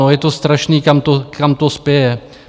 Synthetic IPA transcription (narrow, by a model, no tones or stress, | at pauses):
ojɛt̪o̞st̪ɾaʃniːkamt̪okamt̪ospjɛjɛ